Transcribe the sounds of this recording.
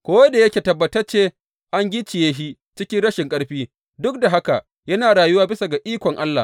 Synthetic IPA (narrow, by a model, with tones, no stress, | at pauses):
kʷoː˦ja˦da˨jɐ˦kʲeː˨tɐ˨bːɐ˨tɐ˦rt͡ʃeː˦ | ʔa˦ŋɡʲɪ˦t͡ʃɪ˨jeː˦ɦi˦ | t͡ʃɪ˦kʲɪ˦nɽɐ˦ʃɪ˨ŋkʼɐ˦ɽɸiː˦ | dʊ˦k̚da˨ɦa˦ka˨ʔ | jɐ˦naː˨ɽaː˨jʊ˦waː˦bɪ˦sa˨ɡa˨ʔiː˦kʷɔ˨ŋʔa˦lːa̰˨h